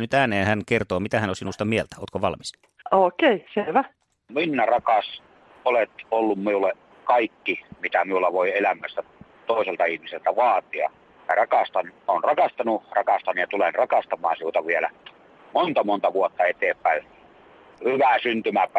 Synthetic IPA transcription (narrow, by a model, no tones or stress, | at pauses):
nyt̪æːneːhænkert̪oːmit̪æhænosinust̪ɑmielt̪æoːt̪koʋɑlmis | oːkeiseʋæ | minːærɑkɑs | olet̪olːummiulːe | kɑikːimit̪æmiulːɑʋoˑielæmːˑæsːæ | t̪oˑeselt̪ɑihmiselt̪æʋɑːt̪ˑiɑ̰ | jɑ̰rɑkɑst̪ɑnonrɑkɑst̪ɑnurɑkɑst̪ɑnujɑt̪ulenrɑkɑst̪ɑmˑɑ̰ːnsiut̪ɑʋielæ̰ | mont̪ɑmont̪ɑʋuot̪ːɑet̪eːpːˑæˑe | hyʋæsynt̪ymæp